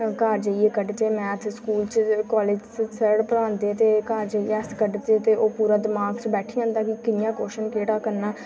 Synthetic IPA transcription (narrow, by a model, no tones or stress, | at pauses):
kaːɾd͡ʒeːieːkəɖt͡ʃ̪eːmɛ̃ːt̪ʰskuːlt͡ʃkɔːleːd͡ʒssəɾɽpəɽãːnd̪eːt̪eːkaːɾd͡ʒeːiːɛːskəɖt̪eːt̪eːʔoːpuːɾaːd̪ɪmaːɡt͡ʃbɛːʈʰiãːnd̪ãːkikɪnɪjãːkoːʃənkeːʈaːkəɾnaː